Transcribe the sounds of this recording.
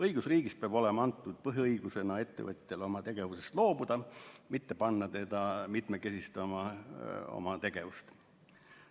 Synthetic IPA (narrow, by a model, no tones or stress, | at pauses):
ɤjɡ̥usriːɡ̥is̚peɑb̥o̞lemɑɑnt̪ˑːud̪̥̚pɤɦiɤjɡ̥use̞nɑe̞t̪ːe̞̰vɤt̪ʲˑːelo̞mɑt̪e̞ɡ̥e̞vusest̪lo̞ːbud̪̥ɑmit̪ːe̞pɑnːɑt̪e̞d̪̥ɑmit̪meke̞sist̪ɑmɑ | o̞̰mɑt̪e̞ɡ̥e̞vust̪